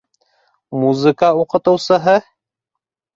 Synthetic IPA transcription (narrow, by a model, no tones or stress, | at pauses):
muzɨkauqɤ̆t̪ɤ̆wsɤ̆ɦɤ